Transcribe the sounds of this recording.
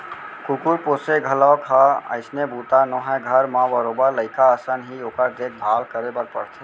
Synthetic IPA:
kukuɾposeɡʱəlɔkʰaə̰ɪsnebut̪anɔɦəjɡʱəɾmãbəɾobəɾləɪkaəsənɦiokəɾd̪ek̚bʱalkəɾebəɾ̚pə̰ɾt̪ʰɛ

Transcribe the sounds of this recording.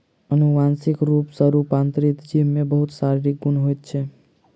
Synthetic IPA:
ənuʋãnsɪkɾupsəɾupãnt̪ɾit̪d͡ʒiʋmẽbəɦut̪saɾiɾiɡunɦojt̪t͡ʃʰe

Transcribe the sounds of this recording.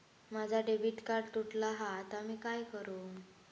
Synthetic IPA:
mad͡zʱaɖebiːt̪kaɾɽt̪uʈlaɦaːt̪amiːkajkəɾu

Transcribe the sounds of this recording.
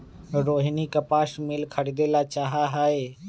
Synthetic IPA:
ɾoːɦnikəpaːʃmɪlkʰəɽɪd̪eːlat͡ʃaːɦaɦaːeː

